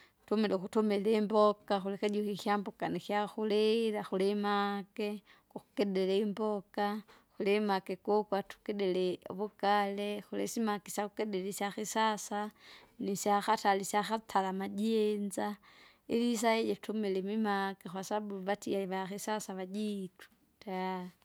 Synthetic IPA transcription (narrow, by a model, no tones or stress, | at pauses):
tomelexutomelembokaxulixaɟuxixjambokanixjaxulelaxulemake | kuxukedeleimboka | xulemakekokwatu̥kedeleβukalexulesimakesjaxukedelesjaxisasanisjaxatalisaxatʰalamad͡ʒenza | ilis̬ajejetumilemimakexwasabuβatiaiβaxisasaβad͡ʒitu̥ | ta